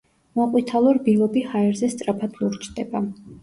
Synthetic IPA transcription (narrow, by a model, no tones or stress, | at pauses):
mɔqʼwit̪ʰalˠɔɾbilɔbihaɛɾzɛst̪sʼɾapʰad̪luɾt͡ʃʰd̪̥ɛba